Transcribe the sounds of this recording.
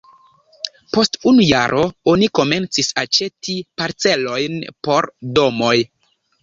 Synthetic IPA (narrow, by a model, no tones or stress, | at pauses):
po̞stunuja̰ɾʔo̞o̞niko̞me̞nt͡sisat͡ʃe̞tipaɾt͡se̞lo̞jnpo̞ɾdo̞mo̞j